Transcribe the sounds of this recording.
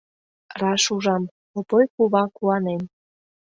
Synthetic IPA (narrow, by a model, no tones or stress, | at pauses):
rɑʃuʒɑm | opojkuβɑkuɑnen